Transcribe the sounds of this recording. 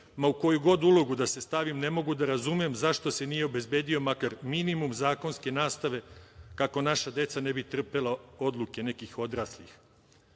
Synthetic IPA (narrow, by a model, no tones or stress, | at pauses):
mauko̞juɡo̞d̪ulˠo̞ɡud̪ase̞st̪aʋimne̞mo̞ɡud̪aɾazumemzaʃt̪o̞se̞nije̞o̞be̞zbe̞ːd̪io̞makaɾminimumzaːko̞nske̞naːst̪aʋe̞kako̞naʃad̪e̞t̪sane̞bit̪r̩pe̞lˠao̞d̪lˠuke̞ne̞kixo̞d̪ɾaslix